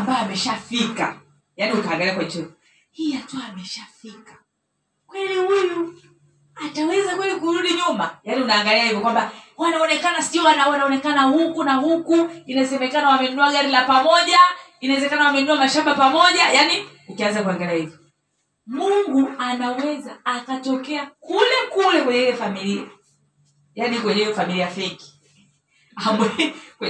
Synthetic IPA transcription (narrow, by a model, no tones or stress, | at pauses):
ambajɔamɛʃafika̰ | janiukaːŋɡaliakwaɲt͡ʃɛkɔ | hiːjatuaːmɛʃafikḁ | kwɛlihuju | atawɛzakwɛlikuɾuɗiɲumajaniunaːŋɡaliahivjɔkwambawanaɔnɛkanasiɔwanaanaɔnɛkanahukunahukuinasɛmɛkanawamɛunuaɠaɾilapamɔʄainawɛzɛkanawamɛunuamaʃambapamɔʄajani | ukianzakuɛŋɡɛliahivɔ | muŋɡuanawɛzaːkatɔkɛakulɛkulɛkwɛɲɛilɛfamilia | janikwɛɲɛjɔfamiliafɛki̥ | amɛkɛ